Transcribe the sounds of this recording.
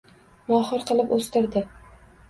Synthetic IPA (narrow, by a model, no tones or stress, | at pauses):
mɒχɨɾqɨlˠɪpɵst̪ɪɾd̪ɪ